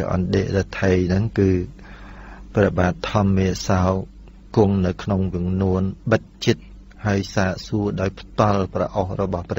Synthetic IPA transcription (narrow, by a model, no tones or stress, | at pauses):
ʔɑ̰nɗeːʔɗət̪ʰəjnɨŋkɨː | prɛɓaːt̪ʰːɑmːiəsaɔ | kʊəŋnɨwkʰnoŋʋiəŋnuənɓət̚t͡ɕɨt̪̚ | haəjsaːʔsuəɗaɔjpʰt̪ŏəlprɑʔohrɔɓɑhprɛ